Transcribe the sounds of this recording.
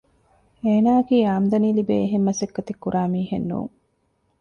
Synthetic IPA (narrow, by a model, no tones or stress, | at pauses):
eːnaːkiːaːmd̪ɐniːlibeːɦemːɐsekːɐt̪ikːuɾaːmiːhenːṵːŋ